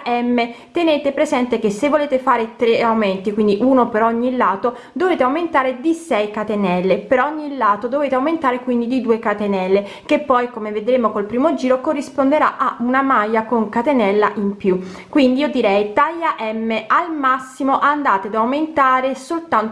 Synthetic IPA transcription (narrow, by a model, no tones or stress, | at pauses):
ɛmːet̪eneːt̪epɾezɛnt̪ek̟esːevːoleːt̪efaːɾet̪ɾeawment̪ikwind̪iʔunopeɾɔɲːilaːt̪o | d̪oveːt̪eawment̪aːɾed̪isɛjkat̪enɛlːepeɾɔɔɔɲːilːaːt̪od̪oveːt̪eawment̪aːɾekwind̪id̪id̪uːekat̪enɛlːe | kepːɔjkomeved̪ɾeːmokolpɾiːmod͡ʒiːɾokorːispond̪eɾaʔaunamajːakoŋkat̪enɛlːaʔimpju | kwind̪iiod̪iɾɛjt̪ajaʔɛmːeʔalmasːimoʔand̪aːt̪ed̪awment̪aːɾesolt̪ant̪